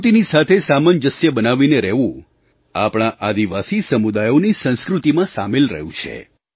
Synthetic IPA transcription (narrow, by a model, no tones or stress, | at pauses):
t̪inisat̪ʰesamand͡ʒəsjəbənaʋineɾɛɦʋũ | apɳ̃aʔad̪iʋasisəmud̪ajonisə̃ñskɾut̪imãsamelɾə̰ɦjũt͡ʃʰḛ